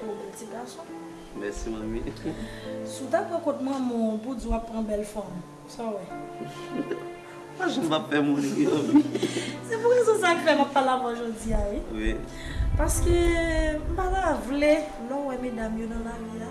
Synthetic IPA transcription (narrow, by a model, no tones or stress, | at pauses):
õbɛlt͡siɡasɔ̃ | mɛ̰simãmḭ | sut̪apːãkot̚mãmɔ̃pud͡ziwapːɣɐ̃bɛlfɔm | sɔwɛ | paʒãm̩papfɛmũnomisepuɣezɔ̃sakifɛmapfalavɔʒod͡ziaewḭ | paʁskem̩balavle | lɔwɛmedamjonɐ̃lavia